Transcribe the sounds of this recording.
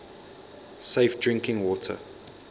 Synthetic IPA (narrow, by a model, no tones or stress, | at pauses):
seɪfdɹɪ̃ŋkɪ̃ŋwɔːtʰə̰